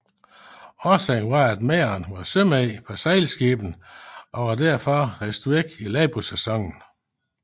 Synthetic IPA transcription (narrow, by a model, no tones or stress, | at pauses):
ɒːsɛŋʋɑ̈æd̥meːɐnʋɑ̈søm̰ɛɪpʰɒ̽sæɪlsɡ̥eːb̥n̩ʔɒ̽ʋɑ̈dæɐfɒ̽ʁesd̥ueɡ̥ilɛːb̥osesɒ̽ŋ̰n̩